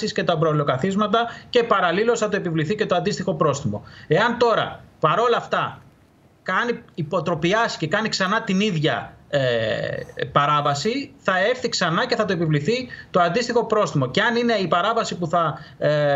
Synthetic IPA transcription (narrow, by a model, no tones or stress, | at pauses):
sisce̞t̪ɐpɾolo̞kɐθizmɐt̪ɐce̞pɐɾɐlilo̞sθɐt̪oe̞pivliθice̞t̪oɐnd̪ist̪ixo̞pɾo̞sθimo̞̰e̞ɐnt̪o̞ɾɐ̰pɐɾo̞lɐft̪ɐ | kɐniipo̞t̪ɾo̞piɐsce̞kɐniksɐnɐt̪iniðʝɐ̰e | pɐɾɐvɐsiθɐe̞fθiksɐnɐce̞θɐt̪oepivliθit̪oɐnd̪ist̪ixo̞pɾo̞sθimo̞ceɐnine̞ipɐɾɐvɐsipuθɐ